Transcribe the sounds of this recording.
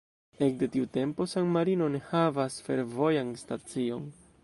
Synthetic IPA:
e̞k̚de̞tiute̞mpo̞saŋmaɾino̞nehavasfe̞ɾvo̞janstat͡sio̞n

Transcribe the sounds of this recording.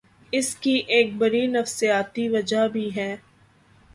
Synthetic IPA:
ɪskiʔeːk̚bɐɾinɐfsijaːt̪iʋɐd͡ʒabʱiɦɛː

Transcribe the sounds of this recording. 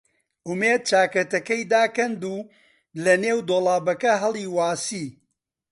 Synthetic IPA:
ʔʊmeːd̪̚t͡ʃaːkɐt̪ɐkɐjd̪aːkɐnd̪uː | lɐneːwd̪oːlˠaːbɐkɐɦɐlˠiːwaːsiː

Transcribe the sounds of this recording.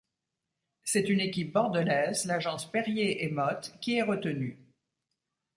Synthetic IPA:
sɛt̪ynekʲip̚bɔʁd̪əlɛzlaʒɑ̃spɛʁjeʔɛmɔt̪kʲiɛʁət̪əny

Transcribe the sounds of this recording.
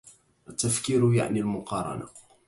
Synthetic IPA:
ʔət̪ːafkiɾʊja̰ʕnilmʊqɑɾˤɑ̰na̰

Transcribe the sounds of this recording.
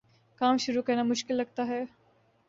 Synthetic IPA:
kaːmʃʊɾukɐɾnamʊʃkɪlːɐɡ̚t̪aɦɛː

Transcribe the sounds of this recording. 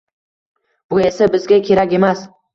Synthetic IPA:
b̥ʊe̞sabɪzɡʲakʲʰe̞ɾakʲe̞mas

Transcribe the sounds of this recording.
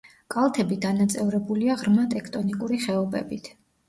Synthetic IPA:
kʼalˠt̪ʰɛbid̪anat̪sʼɛvɾɛbuliaʁɾmat̪ʼɛkʰt̪ʼɔnikʼuɾiχɛɔbɛ̰bit̪ʰ

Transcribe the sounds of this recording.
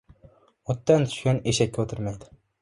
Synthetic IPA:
ot̪ːant̪ʰy̥ʃkʲaneʃɛkʲːɛot̪ʰɪɾmajd̪ɪ

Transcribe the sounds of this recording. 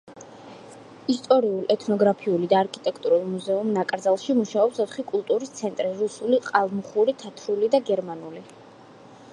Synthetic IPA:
ist̪ʼɔɾiulˠɛt̪ʰnɔɡɾapʰiulid̪aːɾkʰʼit̪ʼɛkʰt̪ʼuɾulˠmuzɛumnakʼɾd̪zalˠʃimuʃaɔpsɔt̪χikʼulˠt̪ʼuɾist̪sʰɛnt̪ʼɾiɾusuliqʼalˠmuχuɾit̪ʰat̪ʰɾulid̪aɡɛɾmanuli

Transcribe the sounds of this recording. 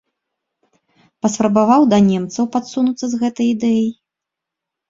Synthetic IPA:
pɐspɾɐbavawd̪ɐnʲɛmt̪sɐwpat̪sunut̪sːɐzɣɛt̪ɐjid̪ɛjɐj

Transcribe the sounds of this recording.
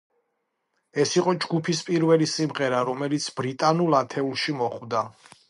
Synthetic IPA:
ɛsiqʼɔd͡ʒɡupʰispʼiɾvɛlisimʁɛɾaɾɔmɛlit̪sʰb̥ɾit̪ʼanulˠat̪ʰɛulˠʃimɔχvd̪a

